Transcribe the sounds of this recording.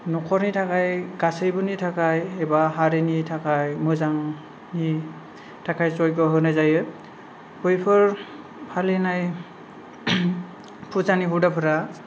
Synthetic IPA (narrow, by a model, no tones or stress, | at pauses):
nɔkʰɔɹnitʰakajɡasejbunitʰakajɛbaɦaɾinitʰakajmɯzaŋ | ni | tʰakʰajzɔjɡɔɦɔnazajɛ | pojpʰɔɹ | pʰalinaj | pʰuzaniɦudapʰɔɾa